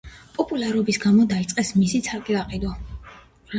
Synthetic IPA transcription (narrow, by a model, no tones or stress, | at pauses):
pʼɔpʼulaɾɔbisɡamɔd̪ait̪sʼqʼɛsmisit̪sʰaɾkʼilaqʼid̪ɔ